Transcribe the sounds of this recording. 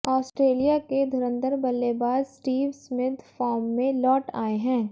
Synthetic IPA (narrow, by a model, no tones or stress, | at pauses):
ɔːsʈɾeːlijaked̪ʱʊɾə̃nd̪əɾbɐlːebaːd̪sʈiːʋsmɪt̪faːɾmːẽlɔːʈa̰ːeɦɛ̃ː